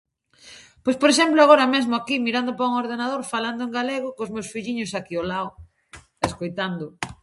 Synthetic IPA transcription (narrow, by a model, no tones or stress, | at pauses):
pojspoɾeʃ̬ɛmplʊaɣ̞oɾɐmezmʊakimiɾand̪ʊpɾauŋoɾð̞enaðoɾfaland̪ʊẽŋɡaleɣ̞ʊkozmewsfiʎiɲʊsakiolaw | eskojt̪and̪ʊ